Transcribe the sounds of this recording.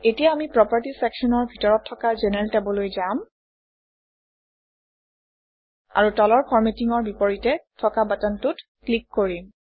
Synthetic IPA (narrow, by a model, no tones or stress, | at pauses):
etijaamipɹɔpaɹtisɛksɔnɔɹbʱitɔɹɔtʰːɔkazenɛɛltɛbɔlojzam | a̰ɹutɔlɔɹpʰɔɹmetiŋɔɹbipɔɹitɛtʰɔkabatɔntut | klikːoɹim